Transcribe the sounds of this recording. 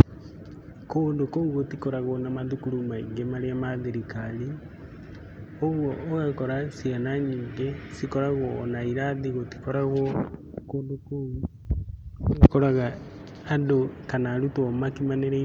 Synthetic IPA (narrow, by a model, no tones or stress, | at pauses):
koːndokouɣotikɔɾaɣɔnamaðukuɾumaiŋɡemaɾeamaðeɾikaɾi | oɣwɔːɣekɔɾasianaɲiːŋɡesikɔɾaɣwɔnaiɾaðiɣoti̥kɔɾaɣwɔkoːndoko | oɣekɔɾaɣaː | ndokanaɾutɔmakimaneɾe